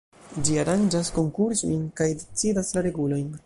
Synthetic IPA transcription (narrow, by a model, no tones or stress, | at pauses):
d͡ʒiaɾand͡ʒasko̞ŋkuɾso̰jnkajdet͡sidaslaɾe̞ɡulo̞jn